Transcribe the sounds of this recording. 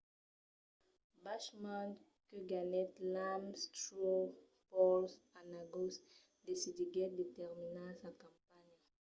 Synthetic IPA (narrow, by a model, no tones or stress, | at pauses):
baʃmãn | kəɡanɛt̪lamst̪o | pɔlsanaɡos | d̪esid̪iɡɛd̪et̪ɛʁminasakɑ̃mpaɲ